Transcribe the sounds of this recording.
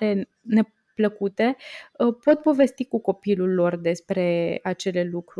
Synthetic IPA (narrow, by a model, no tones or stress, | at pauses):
e | ne̞ | pləkut̪e̞əpo̞t̪po̞ve̞st̪ikuko̞pilulːo̞rd̪e̞spɾe̞at͡ʃe̞le̞lukɾu